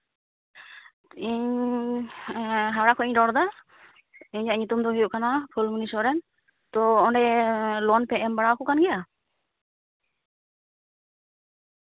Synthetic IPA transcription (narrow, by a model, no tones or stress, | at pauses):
iɲ | ɦaɽakʰɔʔiɲɖɔɽd̪a | iɲaʔɲut̪umd̪ɔɦɛjuʔkanapʰulmunisɔɾɛn | t̪ɔɔɳɖɛlɔnpɛɛmbaɽakɔkanɡɛja